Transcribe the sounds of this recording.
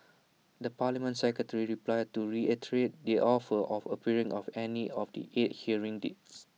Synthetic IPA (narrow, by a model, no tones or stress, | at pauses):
dəpalimə̃ntsɛkɹətəɹiɹiplajd̚tːuɹiɛtɹet̚diʔɔfəʔɔfəpiɹĩŋʔɔfɛniɔfdḭʔet̚hiəɹĩŋdḛts